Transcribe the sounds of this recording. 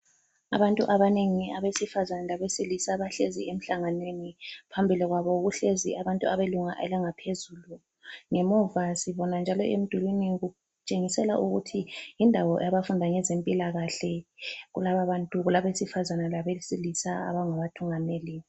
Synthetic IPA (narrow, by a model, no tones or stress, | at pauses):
a̰βantʼuʔaβaneŋiaβesifazanalaβesilisaβaɬeziem̩ɬaŋanwenipʰambʱiliɣwaβɔɣuɬeziʔaβantʼuaβeluŋaʔɛ̰laŋapʰezuːlu | ŋɛmuvasiβɔnand͡ʒʱalɔʔem̩d̥ʱulwiniɣu | t͡ʃʼeŋisɛla̰ʔuɣutʰijindʱawɔjaβafundʱaŋɛzempʼilaɣaɬɛɣṵlaβaβantʼuɣulaβesifazanalaβesilisaa̰βaŋaβatʰuŋaneːli